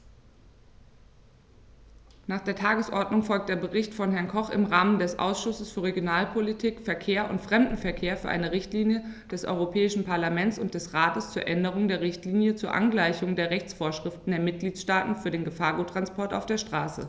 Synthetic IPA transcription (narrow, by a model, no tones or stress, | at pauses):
naːχd̥eːɐtʰaːɡəsʔɔɐdnʊŋfɔlk̚d̥eːɐbəʁɪçtfɔnɦɛɐnkʰɔχɪ̰mʁaːməndɛsʔa̰ʊsʃʊsəsfyːɐʁeɡjonaːlpʰolitʰiːkfɛɐkʰeːɐʔʊntfʁ̥ɛmdn̩fɛɐkʰeːɐfyːɐʔa̰ɪnəʁɪçtliːnjəd̥ɛsʔɔ̰ʏʁopʰɛːɪʃn̩pʰaɐlamɛnt͡sʊnt̚d̥ɛsʁaːtəst͡suːɐʔɛndəʁ̞ʊŋdeːɐʁ̞ɪçtliːnjət͡suːɐʔa̰nɡlaɪçʊŋdeːɐʁɛçt͡sfoːɐʃʁ̥ɪftn̩deːɐmɪt̚ɡ̥liːtʃtaːtn̩fyːɐdeːnɡəfaːɐɡuːtːʁ̥anspɔɐta̰ʊfd̥eːɐʃtʁ̥aːsə̰